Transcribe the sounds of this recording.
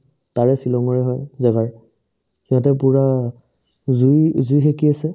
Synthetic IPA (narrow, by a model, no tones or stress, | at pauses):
taɹɛsilɔŋɔɹɛɦɔjzɛɡaɹ | kiɔ̃tɛpuɹa | zujzujxekiasɛ